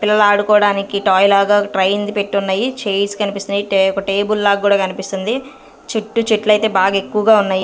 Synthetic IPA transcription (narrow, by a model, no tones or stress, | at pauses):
pilːɐlaːɽukɔːɽaːnikiʈaːjlaːɡaːʈɾɐjind̪ipe̞ʈːunːaːjit͡ʃeːsi̥kɐnipist̪und̪iɔkɐʈe̞ːbulːaːkɡuːɽaːkɐnipist̪und̪i | t͡ʃeʈːut͡ʃeʈlɐjt̪e̞ːbaːɡaekːuʋɐɡaːunːaːji